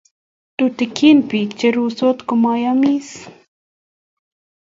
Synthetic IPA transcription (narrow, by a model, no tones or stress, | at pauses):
t̪ut̪ɪkʰinpikt͡ʃeɾusot̪kʊmɑjɑmis